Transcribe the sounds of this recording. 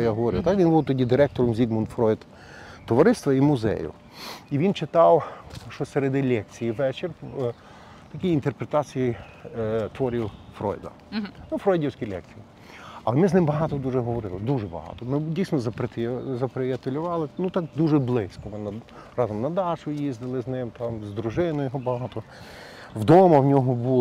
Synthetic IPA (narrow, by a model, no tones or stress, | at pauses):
jaɦɔʋɔɾɪ̰wt̪ɑkʋʲinbuwt̪ɔdʲid̪ɪɾɛk̚t̪ɔɾɔmzʲiɡmɔnfɾɔjd̪ | t̪ɔʋɐɾɪst̪ʋɐimʊzɛ̰jʊ̰ | iʋʲint͡ʃɪt̪ɑwʃɔseɾed̪ɪlʲɛk̚t͡sʲijiʋɛt͡ʃɪr | t̪ɐkʲiint̪erpɾet̪ɑt͡sʲiji | t̪ʋɔɾʲiwfɾɔ̰jd̪ɐ̰ | nufɾɔjdʲiwsʲkʲilʲɛ̰k̚t͡sʲiji | ɐlˠɛmɪznɪmbɐɦɑt̪ɔd̪uʒɛɦɔʋɔɾɪlˠɪd̪uʒɛbɐ̰ɦɑ̰t̪ɔmɪdʲijsnɔzɐpɾet̪zɐpɾejɐt̪elʲʊʋɑlˠɪnut̪ɑkd̪uʒɛblˠɪsʲkɔmɪnɐɾɑzɔmnɐd̪ɑʃʊjizd̪ɪlˠɪznɪmt̪ɑmzd̪ɾuʒɪnɔjɔɦɔbɐɦɑt̪ɔ | wd̪ɔmɐwnʲɔɦɔbu